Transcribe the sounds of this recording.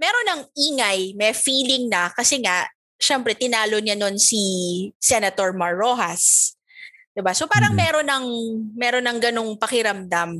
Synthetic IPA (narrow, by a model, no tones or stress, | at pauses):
mɛːɾo̞nːɐŋʔiːŋɐjmɛfiːlɪŋnɐkɐsɛŋaʔ | ʃɛmpɾɛt̪ɪnaːlo̞ɲano̞nsisɛnɐt̪o̞ɹmɐɹːo̞ːhɐs | d̪̥ɪbasopaːɾɐŋmɛːɾo̞nɐŋmɛːɾo̞nːɐŋɡɐno̞ŋpɐkɪɾɐmd̪am